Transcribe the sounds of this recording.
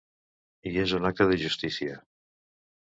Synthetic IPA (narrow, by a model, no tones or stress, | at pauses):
iezunak̚aðeʒust̪isia